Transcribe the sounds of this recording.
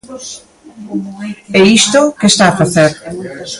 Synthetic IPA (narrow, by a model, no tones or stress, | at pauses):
ɛist̪okest̪aːfaθeɾ